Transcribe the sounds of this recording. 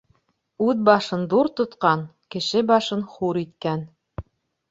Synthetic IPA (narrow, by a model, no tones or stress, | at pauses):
ʉðbɑʃɤnd̪uɾt̪ŏt̪qɑn | kɘ̆ʃɘbɑʃɤnχuɾit̪̚kæn